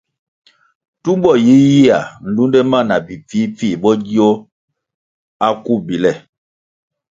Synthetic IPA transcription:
tu˦m˦bɔ˦˨ji˨˦ji˦a˨n̩˨du˦ndɛ˦ma˦˨na˨bi˨p͡fiː˨˦p͡fi˦˨bɔ˦ɟi˦o˦ | a˦ku˦bi˨lɛ˦˨

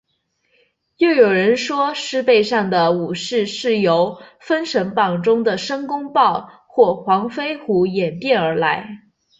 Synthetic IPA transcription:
jo˥˩ʊjo˨˩ʊɻə˧˥nʂwɔ˥ʂɻ̩˥pe˥˧ɪʂɑ˥˩ŋd̪ə˩u˨˩ʂɻ̩˥˧ʂɻ̩˥˩jo˧˥ʊfə˥nʂɤ˧˥ŋpɑ˨˩ŋʈ͡ʂʊ˥ŋd̪ə˨ʂɤ˥ŋkʊ˥ŋpɑ˥˧ʊ | xwɔ˥˩xwɑ˧˥ŋfe˥ɪxu˧˥jɛ˨˩nt̪jɛ˥˩nə˞˧˥la˧˥ɪ

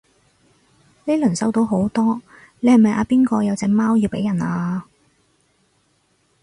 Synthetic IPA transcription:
ne˨˧jlɵ˨˩nsɐ˧wt̪o˨˧wɦo˨˥wt̪ɔː˥ | le˨˧hɐ˨˩jmɐ˨jʔaː˧piː˥nkɔː˧jɐ˨˧wt͡sɛː˨˧maː˥wji˧wpe˨˥jɐ˨˩naː˧

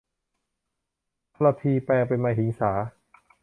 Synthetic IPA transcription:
tʰla˧pʰiː˧pɛː˧ŋpe˧nmaː˧ɦi˩˦ŋsaː˩˦

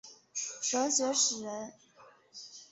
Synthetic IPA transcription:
ʂɤ˧˥ʊɕɥɛ˧˥ʂɻ̩˨˩ɻə˧˥n

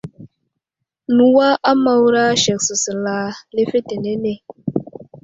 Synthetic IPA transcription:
nu˨wa˦ʔa˦ma˨wɾa˦ʃɛ˨ksə˨sə˨la˨le˦fe˦te˨ne˦ne˦˨

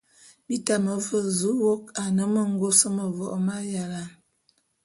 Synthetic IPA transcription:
bi˦ta˨mə˨və˨zu˨˦wo˦ka˨nə˦mə˦ŋ˦ɡo˦sə˦mə˨vɔ˨ʔma˦ja˨la˨

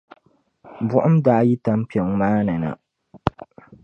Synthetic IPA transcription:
bʊ˦ʔʊ˦mdaː˦ji˦ta˦m˦pi˨ɛ˨ŋ˦maː˦nɨ˨na̰˨

